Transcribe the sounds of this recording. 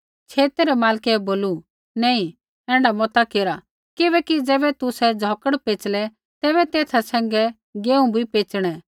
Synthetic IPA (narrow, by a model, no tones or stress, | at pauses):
t͡ʃʰeːt̪eɾɛmaːlkɛboːlu | nɛ̃ːĩ | ɛ̃ːɳɖamɔt̪akeːɾa | kɪbɛːkid͡zɛːbɛt̪ʊsɛd͡zʱɔːkəɽpeːt͡ʃlɛ | t̪ɛːbɛt̪eːt̪ʰasɛ̃ːŋɡɛ | ɡeːũbʱipeːt͡ʃɽ̃ɛ